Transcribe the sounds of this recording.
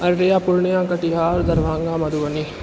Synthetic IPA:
ɐɾːeːaːpʊlɳejãːkəʈiɦaːɾd̪ɐɾʋaːŋɡãːmɐd̪uːɐniː

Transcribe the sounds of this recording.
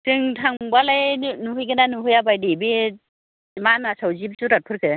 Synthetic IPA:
tɯŋtʰaŋbalajnuɦɯjɡɯnanɯɦɯjabajdibi | manasawzib̚zuɾat̚pʰɯɾkʰɯ

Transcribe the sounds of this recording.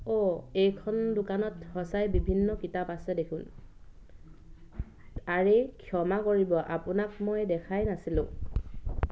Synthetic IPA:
ɔejkʰɔndʊkanɔthɔsajbibʱinːɔkitapasɛdekʰun | aɹekʰiɔmakoɹibɔʔa̰pʊnak̚mojdɛkʰajnasilʊ̃

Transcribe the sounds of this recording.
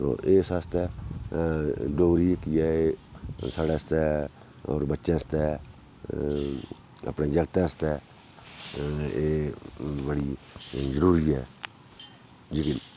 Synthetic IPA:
o̰ːʔeːsast̪ɛː | ɖoːɾiːkiɛːesaːɽɛːst̪ɛ | ɔ̰ːɾbətːʃẽːst̪ɛː | ə̰pneːd͡ʒəɡət̪ãːst̪ɛː | eːbəɽiː | zəɾuːɾiːɛː | d͡ʒɪkɪn

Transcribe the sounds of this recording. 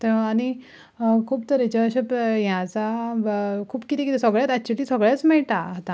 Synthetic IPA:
t̪əañi | kʰuːpt̪əɾet͡ɕaɕəpjãt͡sa | kʰuːbkit̪ekit̪esəɡɭjat̪ak̚t͡ɕuliːsəɡɭjat͡smɛɭʈaat̪ã

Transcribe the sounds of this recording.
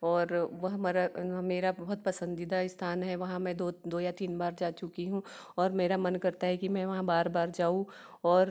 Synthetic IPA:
ɔːɾʋɐɦmaːɾameːɾabɐɦʊt̪̚pɐsə̃nd̪id̪aɪst̪ʰaːnɦɛʋɐɦãmɛ̃d̪od̪oːjat̪iːnbaːɾd͡ʒaːt͡ʃʊkiɦũ | ɔːɾmeːɾamɐnkɐɾt̪aɦɛkimɛ̃ʋɐɦãbaːɾbaːɾd͡ʒaːũ | ɔːɾ

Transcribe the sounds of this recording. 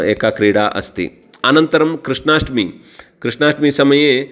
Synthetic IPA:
ḛːkakɾiɽaʔɐ̰st̪ḭ | anɐnt̪ɐɾɐmkɾɨʂɳaːʂʈmiː | kɾɨʂnaːʂʈmisɐmɐje

